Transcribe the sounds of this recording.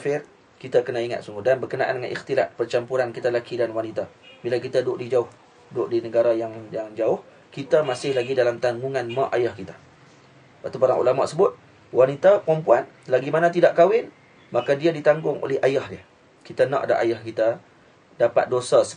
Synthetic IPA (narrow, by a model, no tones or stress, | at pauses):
fɪr | kit̪akənaiŋa̰t̪̚suŋɡʊdanbərkənaʔa̰ndəŋanḭxt̪ilaʔ̪̚pərt͡ʃampuɾankit̪alakidanwanit̪abilakit̪adʊʔdid͡ʒaʊh | dʊʔdinəɡaɾajaŋjaŋd͡ʒaʊh | kit̪amasɪhlaɡidalamt̪aŋɡuŋanmaʔajahkit̪ḁ | bat̪upaɾa̰ŋʔṵlama̰ʔsəbʊt̪̚ | wanit̪apɾɔmpuanlaɡimanat̪idaʔkawɪn | makadiadit̪aŋɡʊŋo̰lɛhajahdɪə | kit̪anã̰ʔada̰ʔa̰jahkit̪a | dapa̰t̪̚dosasə̥